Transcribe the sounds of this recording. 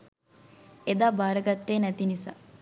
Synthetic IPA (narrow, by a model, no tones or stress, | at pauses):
ed̪aːbaːɾəɡɐt̪ːeːnæt̪inisa̰ː